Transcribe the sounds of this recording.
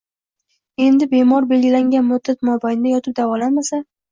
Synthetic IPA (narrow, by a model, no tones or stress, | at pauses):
e̞nd̪ɪbe̞mɒɾbe̞lɡʲɪlaŋɡʲanmʊd̪ːat̪mɒbajnɪd̪ajɒt̪ʰɪp̚d̪avɒlanmasa